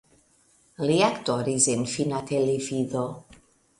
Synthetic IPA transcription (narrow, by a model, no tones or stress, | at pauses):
liakt̪ɔɾizenfinat̪ʰelefiðo